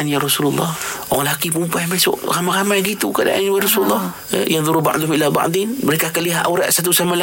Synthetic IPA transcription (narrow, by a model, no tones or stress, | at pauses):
anjaɾɑsululˠˤːɑ̰hoaŋlakip̬umpajmasʊ̰ʔramaɣamajɡit̪ukada̰ʔa̰nwaɾɑsululˤːɑh | janðˤuɾuba̰ʔd̪uhmilaba̰ʔd̪inməɾekakəliɦaʔuɾa̰ʔsat̪̬usamala